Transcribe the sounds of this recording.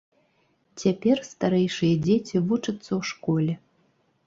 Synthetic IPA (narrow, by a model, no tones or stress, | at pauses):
t͡sʲapʲerst̪aɾɛjʂɨjɐd͡zʲet͡sʲivut͡ʂɐt̪sːɐwʂkolʲɛ